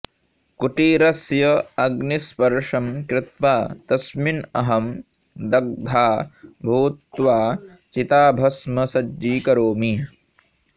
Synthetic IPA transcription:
kuʈiːɾɐsjɐɐɡnispɐɾʂɐmkɾɪt̪maːt̪ɐsminɐɦɐm | d̪ɐɡ̚d̪ʱaːbʱuːt̪ʋaː | t͡ʃit̪aːbʱɐsmɐsɐd͡ʒiːkɐɾoːmi

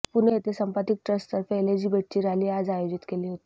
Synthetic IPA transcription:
puneet̪esəmpət̪ik̚ʈɾəsʈt̪əɾfeeled͡ʑiːbəʈ̚t͡ɕiːɾaliːad͡zajod͡ʑit̪keliːɦot̪i

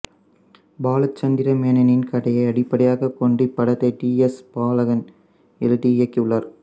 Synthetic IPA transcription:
baːlɐt͡ʃːɐnd̪ɪɾɐmeːnɐnɪnkɐɽɐjɐɪɐɽɪpːɐɽɐjaːɣɐkːɔɳɖipːɐɽɐt̪ːɐɪʈiːɛspaːlɐɣɐn | ɛlʈijɐkːɪʊɭːɐɾ

